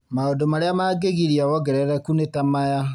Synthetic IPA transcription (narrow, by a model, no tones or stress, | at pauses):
maodomaɾeamaːɡeɣiɾiawɔɡɛɾɛɾɛkunetamaja